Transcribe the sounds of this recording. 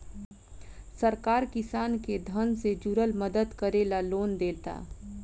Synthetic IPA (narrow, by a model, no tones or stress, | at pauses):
səɾkaːɾkɪsaːnked̪ʱənsed͡ʒuɾəlməd̪əd̪kəɾeːlaloːnd̪eːt̪a̰ː